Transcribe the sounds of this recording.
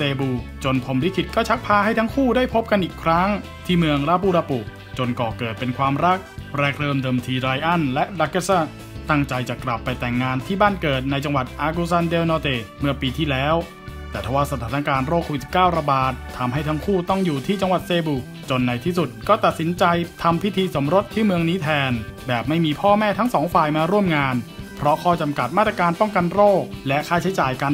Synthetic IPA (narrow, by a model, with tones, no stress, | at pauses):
seː˧buː˧t͡ɕo˧npʰo˧mli˦˥kʰi˨˩t̪̚kɔː˥˩t͡ɕʰa˦˥k̚pʰaː˧ha˥˩jt̪ʰa˦˥ŋkʰuː˥˩daː˥˩jpʰo˦˥p̚ka˧nʔiː˨˩kʰɾa˦˥ŋ | t̪ʰiː˥˩mɯ˧əŋɾaː˦˧˥p̬uː˧˩ɾaː˧pu˨˩ | t͡ɕo˧nkɔː˨˩kɤː˨˩t̪̚pe˧nkʰwaː˧mɾa˦˥k̚ɾɛː˧˩k̚ɾɤː˧mdɤː˧mt̪ʰiː˧ɾa˧jʔa˥˩nlɛ˦˥ʔla˧˥ka˧˥˩sa˥˩ | t̪a˥˩ŋt͡ɕa˧jt͡ɕa˨˩kla˨˩pːa˧jt̪ɛ˨˩ŋːaː˧nt̪ʰiː˥˩baː˥˩nkɤː˨˩t̪̚na˧jt͡ɕa˧ŋwa˨˩t̪̚ʔaː˧ku˧sa˧ndeː˧wnɔː˧t̪eː˨˩mɯ˥˩ɐpiː˧t̪ʰiː˥˩lɛː˦˥w | t̪ɛː˨˩t̪ʰaː˧waː˥˩sa˧t̪ʰaː˩˦˥na˧kaː˧nɾoː˥˩kʰoː˧wi˨t̪sʰi̥˨˩pkaː˥˩wɾa˧baː˨˩t̪ʰːa˧mɦa˥˩jt̪ʰa˦˥ŋkʰuː˥˩t̪ɔ˥˩ŋjuː˨˩t̪ʰiː˥˩t͡ɕa˧ŋwa˨˩t̪̚seː˧buː˨˩k̚t͡ɕo˧nːa˧jt̪ʰiː˥˩su˨˩t̪̚kɔː˥˩t̪a˨˩t̪̚si˩˦nt͡ɕa˧jt̪ʰa˧mpʰi˦˥t̪ʰiː˧so˩˦mɾo˦˥t̪ʰːiː˥˩mɯ˧əŋniː˦˥t̪ʰɛː˧nbɛː˨˩p̚ma˥˩jmiː˧pʰɔː˥˩mɛː˥˩t̪ʰa˦˥ŋsɔː˩˦ŋfaː˨˩jmaː˧ɾu˥˩əmŋaː˧npʰɾɔ˦˥kʰɔː˥˩t͡ɕa˧mka˨˩t̪̚a˥˩t̪ɾa˧kaː˧npɔ˥˩ŋka˧nɾoː˥˩k̚lɛ˦˥ʔkʰaː˥˩t͡ɕʰa˦˥jt͡ɕaː˨˩jka˧n